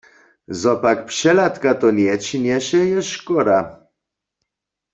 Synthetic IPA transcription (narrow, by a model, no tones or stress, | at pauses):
zɔpakpʂɛlat̪kat̪ɔnʲɛt͡ɕinʲɛɕɛjɛʂkɔɾa